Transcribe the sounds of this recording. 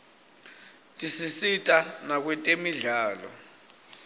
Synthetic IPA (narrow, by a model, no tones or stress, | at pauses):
tʼisisitʼanak̬wɛtʼemiɮaːlɔ̰